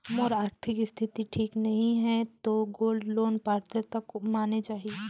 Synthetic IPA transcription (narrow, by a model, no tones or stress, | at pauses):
mɔːɾaːɾt̪ʰɪkst̪ʰɪt̪iʈʰiːknɐɦĩɦɛt̪oɡoːlɖloːnpaːɾt̪et̪ɐkmaːnet͡ʃaːɦie